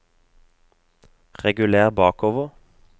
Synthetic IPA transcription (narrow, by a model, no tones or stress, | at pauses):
ʁɛɡʉleːʁbɑːkoːʋəʁ